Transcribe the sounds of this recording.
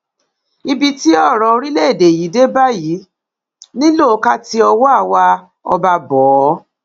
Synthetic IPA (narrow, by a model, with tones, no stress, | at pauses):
i˧bi˧ti˦ɔ˦˨ɾɔ˨˧o˧ɾi˦le˦e˦˨de˨ji˨˦de˦ba˦˨ji˨˦ | nĩ˦lo˦˨˦ka˦ti˧ɔ˧wɔ˦a˦˨wa˧ | ɔ̰˧ba˧bɔː˨˦